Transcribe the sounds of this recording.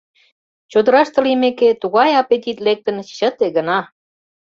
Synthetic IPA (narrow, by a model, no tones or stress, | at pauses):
t͡ɕod̪ə̆ɾɑʃt̪ə̆limeket̪uɣɑjɑpet̪̬ʲit̪lek̚t̪ə̆nɕət̪eɣə̆nɑ